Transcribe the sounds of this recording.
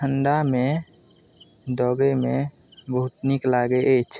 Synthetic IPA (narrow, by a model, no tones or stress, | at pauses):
əɳɖamẽ | d̪ɔːɡemẽ | bəɦʊt̪niklaːɡeʔeːt͡ʃʰ